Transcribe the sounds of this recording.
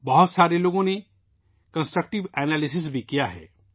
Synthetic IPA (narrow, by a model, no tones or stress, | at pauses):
bɐɦʊt̪saːɾeloːɡõne | kə̃nsʈɾək̚ʈɪʋɛːnaːlɪs̬ɪs̬bʱikijaɦɛ̰ː